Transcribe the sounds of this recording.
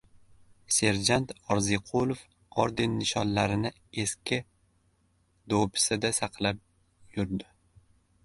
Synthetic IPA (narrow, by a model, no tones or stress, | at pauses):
se̞ɾd͡ʒant̪ɒɾziqʰolˠof | ɒɾd̪enːɪʃɒnlaɾɪnɪ | eskʲɪ | d̪opʰɪ̥sɪd̪asɑqʰlap̚ | jʊɾd̪ɪ